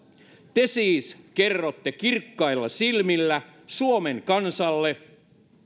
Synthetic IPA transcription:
t̪esiːskerːot̪ːekirkːɑilːɑsilmilːæsuomeŋkɑnsɑlːe

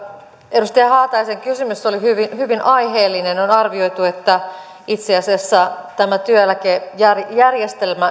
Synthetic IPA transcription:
edust̪ejɑhɑːt̪ɑjseŋkysymysːolihyʋinhyʋinʔɑjɦeːlːinenonɑrʋio̞ijt̪ue̞t̪ːæ | it̪seɑsiɑsːæt̪æmæt̪yøælækejærjærjest̪elmæ

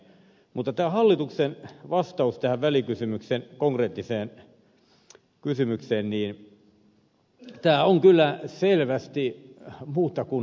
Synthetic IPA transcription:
mut̪ːɑt̪æːhɑlːit̪uksenʋɑst̪ɑust̪æhæʋʋælikysymyksenkoŋkreːt̪ːiseːn | kysymykseːnniːn | t̪æːoŋkylːæselʋæst̪imuːt̪ːɑkun

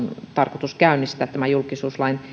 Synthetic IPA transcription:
nt̪ɑrkot̪uskæynːist̪æːt̪t̪æmæjulkisuːslɑin

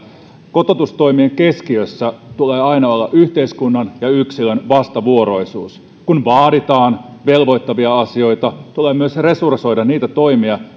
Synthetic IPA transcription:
ko̞t̪ot̪ust̪o̞jmieŋkeskiøsːæt̪uleːɑinɑo̞lːɑʔyçt̪e̞iskunːɑnjɑyksilønʋɑst̪ɑʋuoɾo̞isuːs | kunʋɑːdit̪ɑːnʋe̞lʋo̞jt̪ːɑʋiɑɑsio̞jt̪ɑt̪uleːmyøsresurso̞jdɑniːt̪æt̪o̞imiɑ

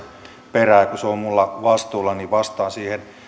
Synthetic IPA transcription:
peræːkuseommulːɑʋɑst̪uːlːɑniʋɑst̪ɑːnsiːhen

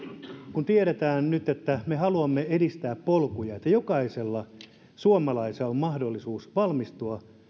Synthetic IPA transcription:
kunt̪ieɾet̪æːnnyt̪et̪ːæmeɦɑluɑmːeedist̪æːppolkujɑet̪ːæjo̞kɑiselːɑ | suomɑlɑiseommɑhdolːisuːsʋɑlmist̪uɑ

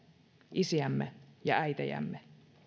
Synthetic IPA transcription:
ʔisiæmːejɑæjt̪æ̰jæ̰mːe

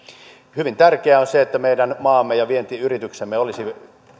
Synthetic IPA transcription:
hyʋint̪ærkeæonseet̪ːæmeidænmɑːmːejɑʋient̪iːyrit̪yksemːeolisi

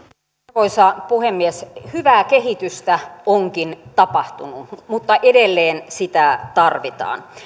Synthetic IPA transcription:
koisɑpuhemːieshyʋæːkehit̪yst̪æoŋkint̪ɑpɑht̪unumut̪ːɑʔedelːeːnsit̪æt̪ɑrʋit̪ɑ̰ːn

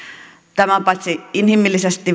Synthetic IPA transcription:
t̪æmæpɑt̪ʲsiinhimːˑilːisest̪i

